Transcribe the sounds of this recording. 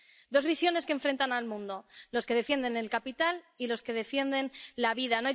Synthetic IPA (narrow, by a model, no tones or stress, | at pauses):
d̪o̞zβisjo̞ne̞skeɱfɾe̞nt̪analmũnd̪o̞lo̞ske̞ð̞efje̞nd̪e̞ne̞lkapit̪al | ilo̞ske̞ðe̞fje̞nd̪e̞nlaβiðanoaj